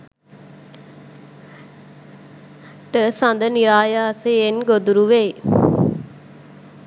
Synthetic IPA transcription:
t̪əsand̪əniɾaːjaseenɡod̪uɾuʋeː

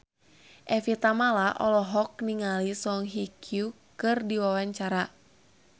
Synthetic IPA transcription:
ʔɛfit̪amalaʔɔlɔɦɔk̚niŋalisɔŋɦikʰju | kɨrdiwawaɲt͡ʃaɾa

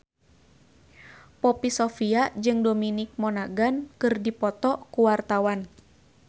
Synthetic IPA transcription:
pɔpisɔfiad͡ʒɨŋdominɪk̚mɔnaɡankɨrdipɔt̪ɔkuwart̪awan

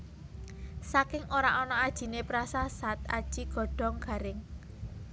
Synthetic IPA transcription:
sakɪŋʔoɾaʔɔnɔad̥ʒ̥i̤nepɾasasat̪̚a̰d̥ʒ̥i̤ɡ̥ɔ̤ɖ̥ɔ̤ŋɡ̥a̤ɾɪŋ

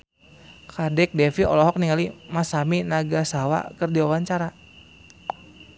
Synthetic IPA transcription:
kadɛk̚dɛfiɔ̰lɔɦɔk̚niŋalimasaminaɡasawa̰kərdiawaɲt͡ʃaɾa

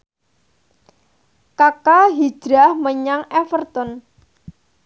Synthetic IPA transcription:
kakaɦi̥d̥ɾahməɲaŋɛfərt̪ɔn

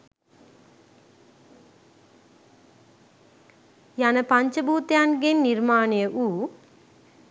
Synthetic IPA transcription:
jɐnɐpɐɲt͡ʃɐbuːt̪jaːnɡenːiɾmaːneʔuː

